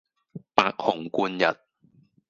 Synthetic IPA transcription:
paː˧k̚hʊ˨˩ŋkuː˧njɐ̰˨t̚

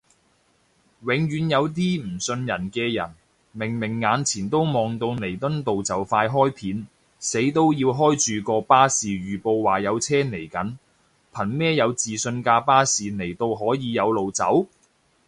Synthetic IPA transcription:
wɪ˨˧ŋɥyː˨˧njɐ˨˧wt̪̬iː˥m̩˨˩sɵ˧njɐ˨˩nkɛː˧jɐ̰˨˩n | mɪ˨˩ŋmɪ˨˩ŋːaː˨˧nt͡sʰiː˨˩nt̪o˥wmɔː˨ŋt̪o˧wne˨˩jt̪ɵ˥nt̪o˨wt͡sɐ˨wfaː˧jɦɔː˥jpʰiː˨˥n | se˨˥jt̪o˥wjiː˧wɦɔː˥jt͡ʃyː˨kɔː˧paː˥siː˨ɥyː˨˩po˧wwaː˨˩jɐ˨˧wt͡sʰɛː˥ne˨˩jkɐ˨˥n | pʰɐ˨˩nmɛː˥jɐ˨˧wt͡siː˨sɵ˧nkaː˧paː˥siː˨ne˨˩jt̪o˧wɦɔː˨˥jiː˨˧jɐ˨˧wlo˨wt͡sɐ˨˥w

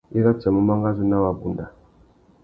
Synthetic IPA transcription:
i˦ɣa˦t͡ʃɛ˨mu˦ma˦ŋɡa˦zi˦na˦wa˨bu˨nda˨

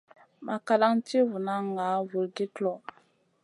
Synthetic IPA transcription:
mʔa˨ka˦la˦ŋti˦vu˨na˦ŋa˨˦vu˨lɡi˦tlɔ˨

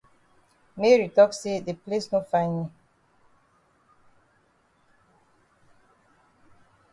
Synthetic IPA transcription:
me˦ɹi˨tɔ˦kse˦de˨ple˦sno˦fã˦ɪni˨

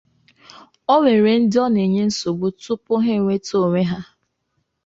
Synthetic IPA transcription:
ɔ˦ŋʷe˨ɾe˨n̩˦dɪ˦ɔ˦ne˨ɲe˦n̩˦so˨bʊ˦tʊ˦pʊ˦ɦe˦˨ŋʷe˦to˦˨ŋʷe˦ɦa˦

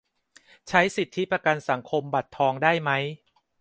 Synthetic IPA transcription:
t͡ɕʰa˦˥jsi˨˩t̪ʰːi˦˥pɾa˧ka˧nsa˩˦ŋkʰo˧mba˨˩t̪ʰːɔː˧ŋdaː˥˩jma˦˥j

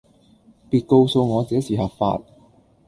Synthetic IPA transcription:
piː˧t̚ko˧wso˧wŋɔː˨˧t͡sɛː˨˥siː˨˩hɐ˨˩p̚fa̰ː˧t̚

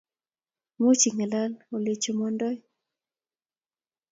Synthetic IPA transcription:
mo˦t͡ʃi˨ŋa˨la˦lo˨le˨t͡ʃo˨mɔ˦ndɔ˦j

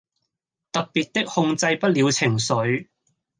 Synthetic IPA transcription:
t̪ɐ˨k̚piː˨t̚t̪ɪ˥k̚hʊ˧ŋt͡sɐ˧jpɐ˥t̚liː˨˧wt͡sʰɪ˨˩ŋsɵ˨˧˥ɥ

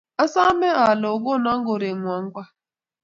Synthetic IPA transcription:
a˦sa˦me˦a˨lʊ˨ɡo˦na˦ŋ̩˦ɡo˨ɾe˨ŋʷ˨ɔ˨ŋ̩˦ɡʷa˦

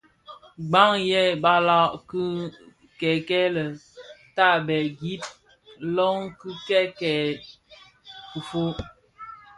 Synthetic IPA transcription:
ɡ͡ba˦ŋjɛ˦ba˦la˦˨ʔk | kɛ˨kɛ˦lə˨ta˦˨bɛ˨ɡi˦p̚ | lɔ˦ŋkɨ˦kɛ˦kɛ˨ | ku˨fo˦

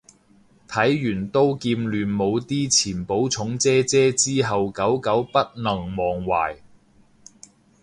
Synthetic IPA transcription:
t̪ʰɐ˨˥jːyː˨˩nt̪o˥wkiː˧mlyː˨˧nmo˨˧wt̪iː˥t͡sʰiː˨˩npo˨˥wt͡sʰʊ˨˥ŋt͡sɛː˥t͡sɛː˥t͡siː˥ɦɐ˨wkɐ˨˥wkɐ˨˥wpɐ˥t̚nɐ˨˩ŋmɔː˨˩ŋwa̰ː˨˩j

